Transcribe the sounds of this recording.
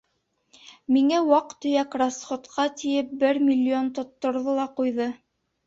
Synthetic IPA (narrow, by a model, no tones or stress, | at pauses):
miŋæwɑqt̪ɵ̆jækrasχot̪qʰɑt̪ijɘp̚bɘɾmʲilʲːiont̪ŏt̪ːŏɾðɤlˠɑqujðɤ